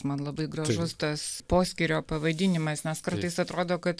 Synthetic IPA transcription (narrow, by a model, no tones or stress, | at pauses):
smɐnlˠɐbɐɪɡɾɐʒʊst̪ɐspoːsʲkʲɪɾʲoːpɐʋɐd̪ʲɪnʲɪmɐsnʲɛskɐrt̪ɐɪsɐt̪ɾoːd̪oːkɐt̪